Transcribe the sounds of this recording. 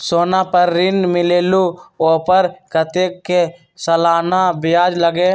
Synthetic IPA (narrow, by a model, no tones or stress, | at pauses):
soːnapəɾːɪnmɪleːluoːpəɾkət̪eːkːe | sɐlaːnabɪjaːd͡ʒləɡe